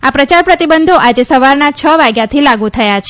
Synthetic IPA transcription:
apɾət͡ʃaɾpɾət̪ibənd̪ʱoʔad͡ʒesəʋaɾnat͡ʃʰəʋaɡjat̪ʰilaɡut̪ʰəjat͡ʃʰ

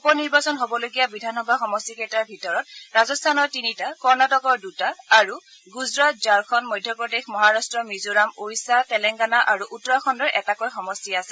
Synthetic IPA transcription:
upɔniɹbasɔnɦobɔloɡijabidʱanxɔbʱaxɔmɔstikɛtaɹbʱitɔɹɔt̚ɹazɔstʰanɔɹtinitakɔɹnatɔkɔɹdutaːɹu | ɡuzɹat̚zaɹkʰɔnmɔjdʱjɔpɹɔdexmɔɦaɹastɹɔmizoɹamojsatɛlɛŋɡanaʔaɹuʔutːɔɹaxʰɔndɔɹʔɛtakojxɔmɔstiasɛ

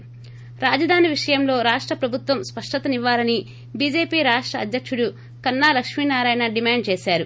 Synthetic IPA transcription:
ɾaːd͡ʒɐd̪ʱaːniʋiʂɐjɐmlo̞ːɾaːʂʈɾɐpɾɐbʱut̪ʋɐmspɐʂʈɐt̪ɐniʋːaːlɐni | biːd͡ʒe̞ːpiːɾaːʂʈɾɐːd̪ʱjɐkʂuɽu | kɐnːaːlɐkʂminaːɾaːjnɐɖimaːɳɖ̚t͡ʃeːsaːɾu

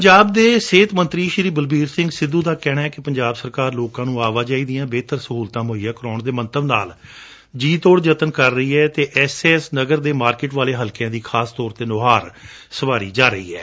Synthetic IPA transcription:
pɲd͡ʒaːbd̪eːseːt̪mə̃nt̪ɾiːʃɪɾiːbəlbiːɾsɪ̃ŋɡsɪd̪ːũːd̪aːkɛːɽaːɛːkɪpəɲd͡ʒaːbsəɾkaːɾloːkãːnũːaːʋaːd͡ʒaːiːd̪ijãːbeːt̪əɾsəɦuːlt̪ãːmoːiːaːkɾɔːɳd̪eːmənt̪əbnaːl | d͡ʒiːt̪oːɽd͡ʒət̪ənkəɾːəiːɛːt̪eːʔɛːseːsnəɡəɾd̪eːmaːɾkɪʈʋaːleːɦəlkjãːd̪iːkʰaːst̪ɔːɾt̪eːnoːɦaːɾsəʋaːɾḭːd͡ʒaːɾəḭːɛ̰ː

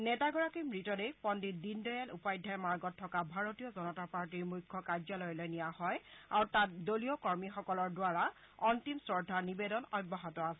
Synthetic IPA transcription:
nɛtaɡɔɹakimɹitɔdepɔndit̚dindɔjalupajdʱajmaɹɡɔtʰːɔkabʱaɹotijɔzɔnɔtapaɹtiɹmujkʰːɔkaɹzalɔjɔlɔjnijahɔjaɹutat̚dolijɔkɔɹmixɔkɔlɔɹdwaɹa | ɔntimsɹɔɹdʱanibedɔnɔjbːɔɦɔtɔasɛ

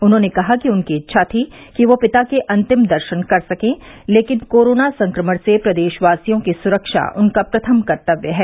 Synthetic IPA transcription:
ʊnɦõːnekɐɦakiʊnkiɪtːʃʰaːt̪ʰikiʋopɪt̪akeʔɐ̃nt̪ɪmd̪ɐɾʃənkɐɾsɐkẽː | leːkɪnkoːɾoːnasɐ̃ŋkɾəməɽsepɾɐd̪eːʃʋaːsijõkisʊɾəkʃa̰ʔʊnkapɾɐt̪ʰəmkɐɾt̪əʋjəɦɛː

